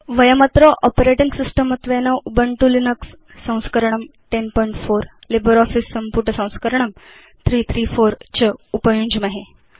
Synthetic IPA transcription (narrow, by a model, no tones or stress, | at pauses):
ʋəjəmɐt̪ɾəʔɔpeɾeʈiŋɡsisʈəmət̪ʋenɐʔubəɳʈulinəksː | ɐ̃w̃skəɾɳ̃əmʈenpɔiɳʈfoɾlibəɾɔfisːəmpuɾʈəsɐ̃w̃skəɾəɳ̃əm | t̪ʰɾiːt̪ʰɾiːfoɾt͡ɕəupəjuɲd͡ʑmɐɦe